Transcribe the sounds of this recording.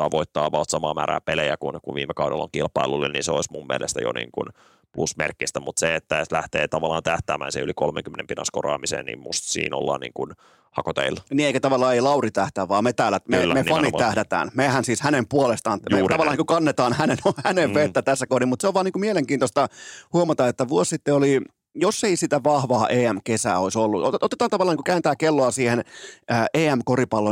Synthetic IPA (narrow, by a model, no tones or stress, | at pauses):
ɑʋoit̪ːɑːʋɑlt̪sɑmɑːmæ̰ːɾæ̰ːpelejækunkuʋʋiːmːekɑwdelːo̰ŋkilpɑilulːennḭːnseoismumːiḛlʔest̪æjo̰nḭːŋkṵn | plusmḛrkːist̪æmut̪seet̪ːæet̪læht̪eːt̪ɑʋɑlːˑɑːnt̪æht̪æːmæ̰ːnseylikolmḛŋkymːenempinɑ̰skorɑ̰ːmisḛːnnḭːmmust̪sḭːno̰lːɑ̰ːnḭːŋkun | hɑkot̪ḛilːniːeikæt̪ɑʋɑlːɑːeilɑurit̪æht̪æːʋɑːmet̪æːlːæt̪meːmepɑniæhdæt̪æ̰ːnmehænsiːshænempuolest̪ɑːnmeɑʋɑlːɑniːkukɑnːet̪ɑːnhænenohæneʋʋet̪ːæt̪æsːækohdimut̪seoʋʋɑːniːŋkumieleŋkiːnt̪ost̪ɑhuomɑt̪ɑet̪ːæʋuossit̪ːeoli | josːeisit̪æʋɑhʋɑːʔeːæmkesæ̰ːoisolːuot̪et̪ɑːnt̪ɑʋɑlɑniku̥kæːnt̪æːkelːoɑsiːhenæːʔeːæmkoripɑlːo